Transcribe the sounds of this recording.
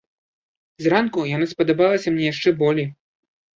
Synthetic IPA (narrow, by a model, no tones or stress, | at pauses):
zrankujanaspɐd̪abalˠɐsʲɐmnʲɛjaʂt͡ʂɛbɔlʲej